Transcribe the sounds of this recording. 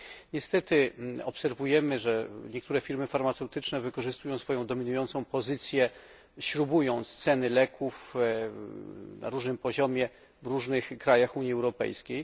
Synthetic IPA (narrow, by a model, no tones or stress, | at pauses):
ɲɛst̪ɛt̪ɘɔpsɛɾvujɛmɘʐɛɲɛkt̪uɾɛfʲiɾmɘfaɾmat̪sɛwt̪ɘt͡ʂnɛvɘkɔʐɘst̪ujɔ̃w̃sfɔjɔ̃w̃d̪ɔmʲinujɔnt̪sɔ̃w̃pɔzɘt̪sʲjɛ | ɕɾubujɔ̃w̃tst̪sɛnɘlɛkʰuf | na̰ɾuʐnɘmpɔʑɔmʲjɛ | vɾuʐnɘxkɾajaxuɲjiɛwɾɔpɛ̰jskʲej